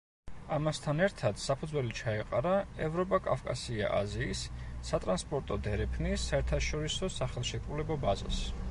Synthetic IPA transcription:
amast̪ʰanɛɾt̪ʰad̪̥sapʰud̪zwɛlit͡ʃʰaɛqʼaɾaɛvɾɔpʼakʼafkʼasia̰ʔa̰ziːsːat̪ʼɾanspʼɔɾt̪ʼɔd̪ɛɾɛpʰnisaɛɾt̪ʰaʃɔɾisɔsaχɛlˠʃɛkʼɾulɛbɔbaza̰s

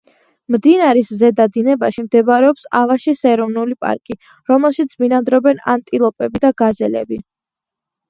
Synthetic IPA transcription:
md̪inaɾiszɛd̪ad̪inɛbaʃimd̪ɛbaɾɛɔpsavaʃisɛɛɾɔvnulipʼa̰ɾkʼi | ɾɔmɛlˠʃit̪sʰminad̪ɾɔbɛna̰nt̪ʼilˠɔpʼɛbid̪aɡazɛlɛ̰bi

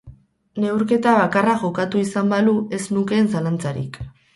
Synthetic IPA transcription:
ne̞wɾke̞t̪aβakaraʝo̞kat̪uisambalue̞snuke̞ːnsalant͡saɾḭk

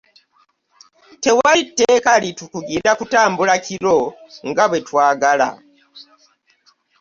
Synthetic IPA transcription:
te̞waitːeːkalitukuɡiːnakutaːmbulakʰiɾo̞ŋɡaβwe̞twaːɡala̰

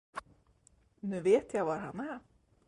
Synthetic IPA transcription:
nʉveːt̪jajvaɾɦanːɛɾ

